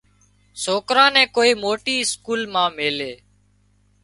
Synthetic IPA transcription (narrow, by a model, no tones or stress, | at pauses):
soːkɾãːnɛ̃ːkoːiːmoːʈiːskuːlmãːmeːleː